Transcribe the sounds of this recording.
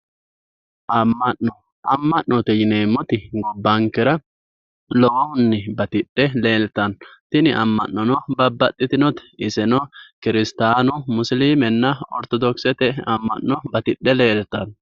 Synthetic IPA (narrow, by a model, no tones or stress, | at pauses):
ʔɐmːɐʔɔ | ʔɐmːɐʔːɔt̪ɛjɪneːmːɔt̪ɪɡɔbːɐŋkɪɾɐ | lɔwɔhʊnːɛbɐt̪ɪɗːɛle̞ːlt̪ɐnt̪ɪnɪʔɐmːɐ̰nːɔnɔbɐbːɐt̪ʼːɪt̪ɪnɔt̪ɪsɛnɔkɪɾɪst̪aːnʊmʊsliːmɛnːɐɔ̰ɾt̪ɔd̪ɔksɛt̪ɛɐmːɐ̰nːɔbɐt̪ɪɗːɛle̞ːlt̪ɐn